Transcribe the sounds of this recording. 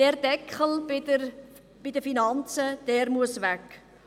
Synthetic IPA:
d̥ɛːrd̥ɛkχəl̩bɪər | b̥idəfinɑnt͡səd̥ɛːɾmuəsvæk

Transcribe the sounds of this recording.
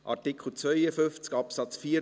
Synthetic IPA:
ʔɑtikχəl̩t͡sʋœʏəfʏnft͡skɑpsɑt͡sfiːə

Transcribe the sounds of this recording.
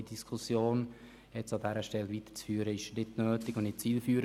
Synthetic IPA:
id̥iskʰʊsjoːn | jɛt͡sɑdɛːɾəʃtɛlʋit̪ə̥t͡sfyːɾəɪʃnɪtnøːt̪ɪɡʊnnɪt͡siːlfyːɾ

